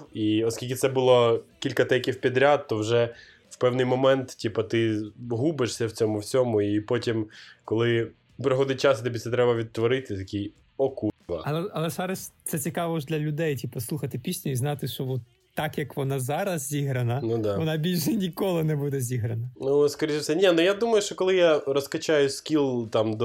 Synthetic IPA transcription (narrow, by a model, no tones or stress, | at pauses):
iɔskʲilʲk̬ʲɪt̪sɛbʊlˠɔkʲilʲkɐt̪ɛjkʲiwpʲid̪ɾʲad̪̚t̪ɔwʒɛ | wpɛwnɪjmɔmɛnt̪tʲipɐt̪ɪɦubɪʂsʲɐwt͡sʲɔmʊwt͡sʲɔmʊipɔtʲimkɔlˠɪ | pɾɪɦɔd̪ɪt̚ʲt͡ʃɑsit̪ɔbʲit̪sɛt̪ɾɛbɐʋʲid̪̚t̪ʋɔɾɪt̪ɪt̪ɐkʲij | ɔkuʋɐ̰ɐlˠɛɐlˠɛzɑɾɐsʲt̪sɛt͡sʲikɑʋɔʒd̪ʲlʲɐlʲʊd̪ɛjtʲipɐslˠuxɐt̪ɪpʲisʲnʲɛiznɑt̪ɪʃt͡ʃɔʋɔt̪ːɑkjɐkʋɔnɑzɑɾɐzzʲiɦɾɐnɐnud̪ɑʋɔnɑbʲilʲʃɛnʲikɔlˠɪnɛbud̪ɛzʲiɦɾɐnɐnuskɐɾʲiʃɛfsɛnʲɛnʊjad̪umɐjʊʃt͡ʃɔkɔlˠɪjaɾɔskɐt͡ʃajʊskʲilˠt̪ɑmd̪ɔ